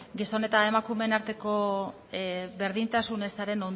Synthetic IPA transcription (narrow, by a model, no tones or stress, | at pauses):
ɡiso̞ne̞t̪ae̞makume̞naɾt̪e̞ko̞ | βe̞ɾðint̪asune̞saɾe̞no̞n